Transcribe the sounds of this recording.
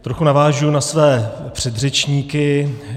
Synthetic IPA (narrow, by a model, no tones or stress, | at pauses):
t̪ɾoxunavaːʒunasvɛːpr̝̥ɛd̪r̝ɛt͡ʃɲiːkɪ